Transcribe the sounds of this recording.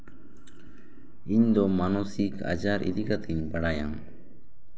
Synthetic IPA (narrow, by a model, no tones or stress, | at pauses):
iɲd̪ɔmanɔsika̰d͡ʒaɾʔḭd̪ikat̪ʰɛɲbaɽajaŋ